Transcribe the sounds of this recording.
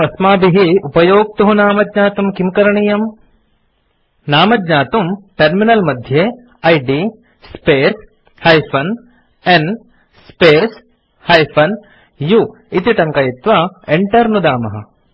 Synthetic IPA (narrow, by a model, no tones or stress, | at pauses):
ɐsmaːbiɦiupɐjoːɡ̚t̪uɦunaːmɐd̪ɲaːt̪umkimkɐɾɐɳijɐm | naːmɐd̪ɲaːt̪umʈɐɾminɐlmɐd̪ʱjeː | ɐjɖi | speːɾs | hɐjfʰɐn | en | speːs | hɐjfʰɐn | ju | it̪iʈɐŋkɐjit̪ʋɐeɳʈɐɾnud̪aːmɐɦɐ̰